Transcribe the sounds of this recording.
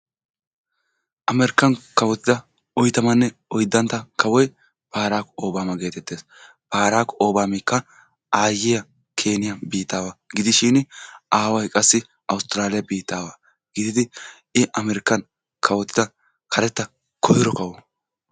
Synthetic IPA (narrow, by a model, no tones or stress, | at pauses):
ʔɐmɛɾɪkːɐnkɐwɔt̪ːɪd̪ɐ | ɔjt̪ɐmɐnːɛɔjd̪ːɐnt̪ːɐkʰɐwɔj | paːɾaːkɔoːbaːmɐɡe̞ːt̪ɛt̪ːe̞ːs | paːɾaːkːɔʔoːbaːmɪkːɐ | aːjɪjɐ | kʰe̞ːnɪjɐbiːt̪ːaːwaːɡɪd̪ɪʃiːnʔaːwɐjkʼɐsːɪ | ʔɐwʊst̪ɪɾaːlɪjɐbiːt̪ːaːwaː | ɡ̥ɪd̪ɪd̪ɪ | ɪʔɐmɛɾɪkːɐn | kʰɐwɔt̪ːɪd̪ɐ | kʰɐɾɛt̪ːɐ | kʰɔhɪɾɔkɐwɔ